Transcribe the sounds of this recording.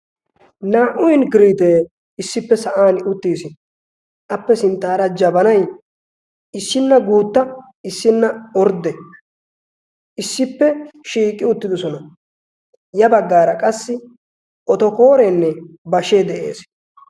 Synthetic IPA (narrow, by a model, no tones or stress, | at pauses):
naːʔʊjnɡɪɾiːt̪eː | ɪsːɪpːɛsɐʔaːnʊt̪ːiːsɪ | ʔɐpːɛsɪnt̪ːaːɾɐd͡ʒɐbɐnɐj | ɪsːɪnːɐɡuːt̪ːɐ | ɪsːɪnːɐɔɾd̪ɛ | ʔɪsːɪpːɛʃiːkʼːɪʊt̪ːɪd̪ɔsɔnɐ | jɐbɐɡːaːɾɐkʼɐsːɪ | ʔɔt̪ɔko̞ːɾeːnːɛbɐʃeːd̪ɛʔe̞̰ːs